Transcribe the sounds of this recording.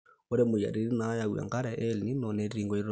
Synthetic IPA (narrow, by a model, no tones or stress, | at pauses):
ɔɾɛmoja̰ɾiɾinajawa̰ŋkaɾɛʔɛlninɔnɛɾɾiːŋɡɔiɾ